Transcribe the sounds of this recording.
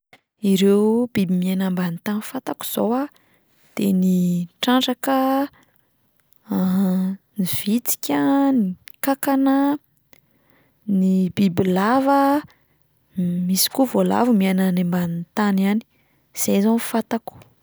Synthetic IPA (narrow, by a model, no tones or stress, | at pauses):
iɾewb̥ibimianambant̪anifat̪aku̥z̥owa | d̪̥eniʈ͡ʂaɳʈ͡ʂakə | niv̥it͡si̥kʲənikakanə | nibibilavə | misi̥kuvola̰vumiananembanit̪anani̥ | z̥ejzanfat̪aku̥